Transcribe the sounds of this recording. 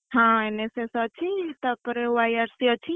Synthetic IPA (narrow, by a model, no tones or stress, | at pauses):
hãenesesət͡ʃʰit̪əpɾewajaɾsiət͡ʃʰi